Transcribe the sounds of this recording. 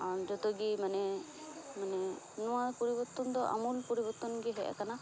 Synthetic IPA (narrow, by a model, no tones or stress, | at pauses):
and͡ʒɔt̪ɔɡimanɛ | manɛ | nɔwaɾpɔɾibɔɾt̪ɔnd̪ɔʔa̰mulpɔɾibɔɾt̪ɔnɡɛɦɛʔɛ̰kana